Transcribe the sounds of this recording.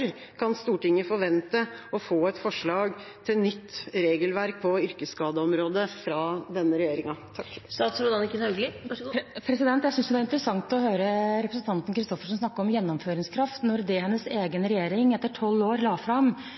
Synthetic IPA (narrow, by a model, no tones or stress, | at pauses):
ɾ | kʰɑnst̪uːʈɪŋːəfɔɾʋɛnt̪əɔfoːɛt̪fɔʂɭɑːɡt̪ʰɪlnʏt̪ːɾeːɡəlʋæɾk̚pʰɔʏɾkəskɑːd̪əɔmɾoːd̪əfɾɑd̪ɛnːəɾɛjeːɾɪŋɑt̪ʰɑkːsɑɾuːd̪ɑnɪkːəɛɡlɪ | pʰɾɛsɪd̪ɛnt̪jæɪʏnsd̪ɛʋæɾɪnt̪əɾəsɑŋt̪ɔhøːɾəɾɛpɾəsn̩t̪ʰɑnt̪n̩kʰɾɪst̪ɔfəʂɔmsnɑkːəɾɔmjɛnːɔmføːɾɪŋskʰɾɑft̪nɔɾd̪ɛhɛnːəseːɡənɾɛjeːɾɪŋɛt̪ːəʈʰɔlːoːɾlɑːfɾɑɑm